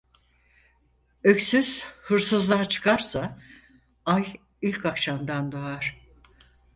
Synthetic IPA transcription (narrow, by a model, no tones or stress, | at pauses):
ø̞csyz̥hɯɾsɯzlˠat͡ʃʰɯ̥kʰaɾsa | aj | ilʲkʰakʃamd̪and̪oaɾ̝̥